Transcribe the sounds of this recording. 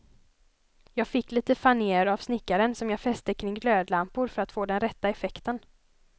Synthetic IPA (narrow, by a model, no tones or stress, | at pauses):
jɑːɡfɪkːliːt̪əfaneːəɾav̥snɪkːaɾənsɔmjɑːfɛst̪əkʰɾɪŋːɡløːd̪lampʊɾfœɾat̪foːd̪ɛnɾɛt̪ːaɛfɛkt̪ən